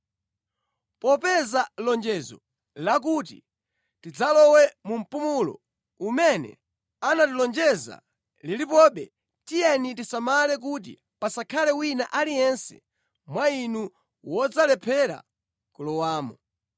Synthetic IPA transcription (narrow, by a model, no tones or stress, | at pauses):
pɔpɛzalɔnd͡ʒɛzɔ̰ | lak̬ut̬ḭ | tid͡zalɔwɛmum̩pumulɔ̰ | umɛnɛ̰ | anatilɔnd͡ʒɛza̰ | lilipɔɓɛ | tijɛnitisamalɛk̬ut̬ḭ | pasakʰalɛwinaʔalijɛnsɛ̥̰ | mwainu | wɔd͡zalɛpʰɛɾa̰ | kulɔwaːmɔ